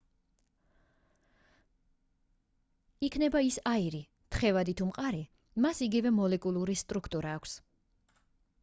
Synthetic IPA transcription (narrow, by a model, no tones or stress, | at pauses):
ikʰnɛbaisaiɾi | t̪ʰχɛvad̪it̪ʰumqʼaɾi | masiɡivɛmɔlɛkʼulˠuɾist̪ʼɾukʰt̪ʼuɾaːkʷʰs